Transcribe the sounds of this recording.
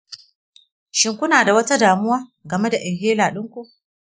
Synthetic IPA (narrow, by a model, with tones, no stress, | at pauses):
ʃɪ˨ŋkʷʊ˦naː˨da˨wɐ˦ta˦daː˨mʊ˦waː˦ɡɐ˨me˦da˨ʔɪ˨ŋɦeː˦laː˨ɗɪ˦ŋkʷu˦ʔ